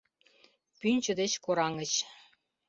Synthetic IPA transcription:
pynʲt͡ɕə̆d̪et͡ɕkoɾɑŋət͡ɕ

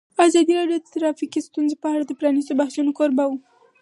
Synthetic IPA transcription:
ɑzɑd̪iɾɑɖjod̪ət̪ɾɑfikist̪unzepəaɽad̪əpɾɑnisobahʃunokoɾbawu

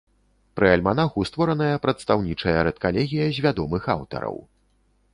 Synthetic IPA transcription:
pɾɨɐlʲmanaxust̪vɔɾɐnɐjɐpɾɐt̪st̪awnʲit͡ʂɐjɐɾɛt̪̚kalʲɛɣʲijɐzʲvʲad̪ɔmɨxa̰wt̪ɐ̰ɾɐ̰w

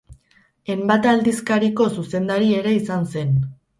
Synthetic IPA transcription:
e̞mbat̪ald̪iskaɾiko̞suse̞nd̪aɾie̞ɾe̞isanse̞n

